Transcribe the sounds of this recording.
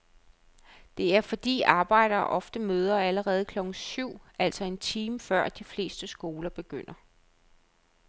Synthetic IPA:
d̥e̝æɐfɒ̽d̥ḭːɑ̈ːb̥ɑ̈ɪ̰ɾ̥ɐːʔɒ̽fd̥əmøːð̞ˠɐæləʁɛːð̞̩ˠkʰlɒ̽ɡ̥n̩syʊ̰æl̰sɒ̽e̝nt͡sʰiːməfɶɐ̰d̥ifle̝̰ːsd̥əsɡ̥o̝ːlɐb̥e̝ɡ̥øn̰ɐ

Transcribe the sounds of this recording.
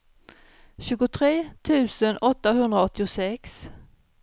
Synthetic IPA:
ɕʉ̟ːɡʊt̪ʰɾeːt̪ʰʉ̟ːsənɔt̪ːaɦɵnd̪ɾaɔt̪ːɪʊsɛks

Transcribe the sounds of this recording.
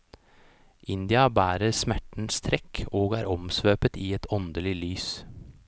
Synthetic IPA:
ʔɪnd̪ɪɑbæːɾəɾsmæʈn̩st̪ʰɾɛkʰːoːɡæːɾʔɔmsʋøːpət̪iːɛt̪ʰɔnd̪əlɪlyːs

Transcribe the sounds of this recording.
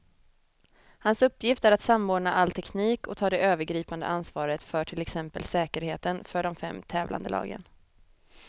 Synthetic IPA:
hansɵpːjɪft̪æɾat̪samːoːɖɳaʔalt̪ʰɛkniːkɔt̪ʰɑːd̪ɛʔøːvəɾɡɾiːpand̪ə̰ʔansvɑːɾət̪fœʈʰɪlɛksɛmpə̰lsɛːkəɾheːt̪ənfœɖɔmfɛ̰mːt̪ʰɛːvlʔa̰nd̪əlɑ̰ːɡə̰n

